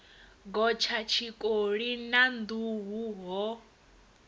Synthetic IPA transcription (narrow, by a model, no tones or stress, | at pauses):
ɡɔt͡ʃʰat͡ʃʰikʼoɺinand̪uɦuɦɔ